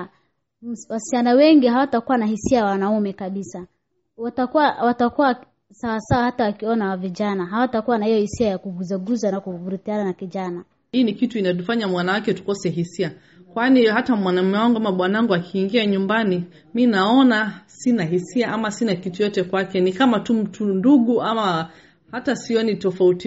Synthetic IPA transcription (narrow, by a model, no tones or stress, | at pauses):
wasi̥t͡ʃanawɛŋɡihawatakuwanahisiajawanaumɛkaɓisa | watakuwawatakuwa | sawasawahatawakiɔnawaviʄanaɦawatakuwanahijɔhisiajakuɡuzaɡuzanakuvuɾuθiananakiʄana | hiːnikituinat̬ufaɲamwanawakɛtu̥kɔsɛɦisia | kwanihatamwanam̩mɛwaŋɡuamaɓwanaŋɡuakʰiːŋɡiaɲumbani | minaɔnasinahisiaamasinakitujɔtɛkwakɛnikamatum̩tʰunduɠuama | hatasiɔnitɔfaut